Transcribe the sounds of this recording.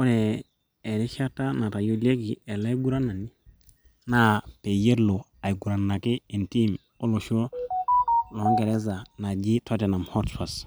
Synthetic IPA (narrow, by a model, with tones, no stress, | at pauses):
o˦ɾɛː˨ | ɾi˦ʃa˦ta˦na˨ta˨jo˦le˦ki˨ɛ˨la˦i˦ɡu˦ɾa˦nːa˨ni˦ | na˦pe˨je˦ɾlo˨ | a˨jɡu˨ɾa˨nːa˨ki˦i˨nti˦m | o˦lo˨ʃo˦ | lɔ˨˦ŋɡe˨ɾɛ˦z̬a˨na˨d͡ʒi˦tʰa˦tɛ˨na˨mhɔ˦tfa˨s